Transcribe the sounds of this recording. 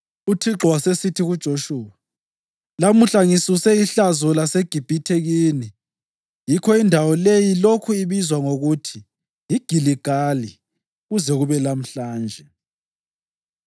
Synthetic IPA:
utʰiǁɔwasesitʰiɣud̥ʒ̥ʱoʃuːwa | lamuɬaŋisusɛiɬazɔlaseɡ̥ʱib̥ʱitʰeɣiːni | jikʰɔindʱawɔlejilokʰuiβizwaŋoɣutʰi | jiɡ̥ʱiliɡ̥ʱali | ɣuzɛɣuβɛlam̩ɬaːnd͡ʒʱɛ

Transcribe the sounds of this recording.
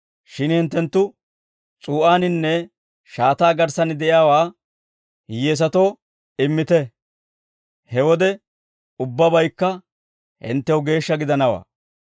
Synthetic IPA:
ʃɪnhɪnt̪ːɛnt̪ːʊ | t͡sʼuːʔaːnɪnːɛ | ʃaːt̪aːɡɐɾsɐnɪd̪ɛʔjaːwaː | jeːs̬ɐt̪oː | ɪmːɪt̪ɛ | hɛwɔd̪ɛ | ʊbːɐbɐjkːɐ | hɪ̰nt̪ːɛwʊɡe̞ːʃːɐɡɪd̪ɐnɐwa̰ː

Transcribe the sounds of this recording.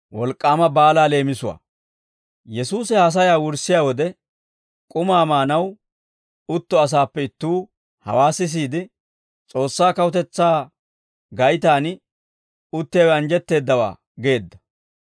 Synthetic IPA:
wɔlkʼːaːmɐbaːlaːle̞ːmɪsʊwa̰ː | jɛsuːsɛhɐs̬ɐjaːwʊɾsɪjaːwɔd̪ɛ | kʼʊmaːmaːnɐw | ʊt̪ːɔɐs̬aːpːɛɪt̪ːuː | hɐ̰waːsɪs̬iːd̪ɪ | t͡sʼo̞ːsːaːkɐwʊt̪ɛt͡sːaː | ɡɐjt̪aːn | ʊt̪ːɪjawɛɐnd͡ʒɛt̪ːe̞ːd̪ːɐwa̰ː | ɡe̞ːd̪ːɐ̥

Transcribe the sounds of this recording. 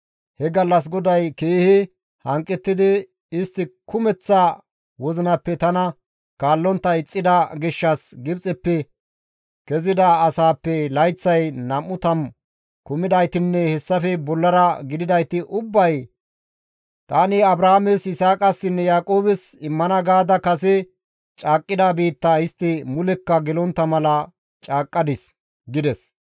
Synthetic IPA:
hɛɡɐlːɐs̬ɡɔd̪ɐjkeːhɪ | hɐŋkʼːɛt̪ːɪd̪ɪ | ɪst̪ːɪkʊmɛt͡sːɐ | wɔzɪnɐpːɛt̪ɐnɐ | kaːlːɔnt̪ːɐɪt͡sʼːɪd̪ɐɡɪʃːɐsɡɪbt͡sʼɛpːɛ | kɛzɪd̪ɐːsaːpːɛlɐjt͡sːɐjnɐmːʊt̪ɐm | kʊmɪd̪ɐjt̪ɪnːɛhɛsːɐfɛbɔlːɐɾɐɡɪd̪ɪd̪ɐjt̪ɪʔʊbːɐj | t̪aːnɪɐbɾɐhamesɪsaːkʼɐsːɪnːɛjaːkʼoːbɛsɪmːɐnɐɡaːd̪ɐkɐsɛ | t͡ʃʼaːkʼːɪd̪abiːt̪ːɐɪst̪ːɪmʊlɛkːɐɡɛlɔnt̪ːɐmɐlɐ | t͡ʃʼaːkʼːɐd̪ɪs | ɡɪd̪ɛs

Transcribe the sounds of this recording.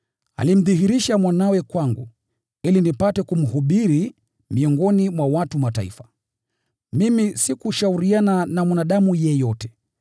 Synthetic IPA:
a̰lim̩ðiɦiɾiʃamwanawɛkwaŋɡṵ | ilinipatɛkum̩huɓiɾi | miɔŋɡɔnimwawatumata̰ḭfḁ | mimisikuʃauɾiananamwanaɗamujɛjɔtɛ̥

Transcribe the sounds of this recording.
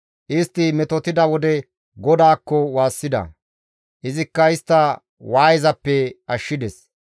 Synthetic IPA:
ʔɪst̪ːɪmɛt̪ɔt̪ɪd̪ɐwɔd̪ɛ | ɡɔd̪aːkːɔwaːsːɪd̪ɐ̰ | ʔɪzɪkːɐɪst̪ːɐ | waːjɪzɐpːɛɐʃːɪd̪ɛs

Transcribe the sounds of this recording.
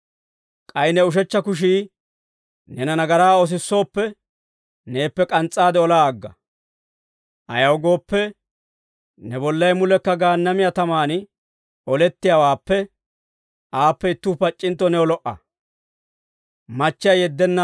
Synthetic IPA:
kʼɐjɪnɛʊʃ̬ɛt͡ʃːɐkʊʃ̬iː | nɛnɐnɐɡɐɾaːɔs̬ɪsːo̞ːpːɛ | ne̞ːpːɛkʼɐnt͡sʼːaːd̪ɛɔlaːɡːɐ | ʔɐ̰jɐwɡo̞ːpːɛ | nɛbɔlːɐjmʊlɛkːɐɡaːnːɐmɪjɐt̪ɐmaːn | ɔlɛt̪ːɪjawaːpːɛ | ʔaːpːɛɪt̪ːʊpɐt͡ʃʼːɪnt̪ːɔnɛɔlɔʔɐ̰ | mɐt͡ʃːɪjɐjɛd̪ːɛnːɐ

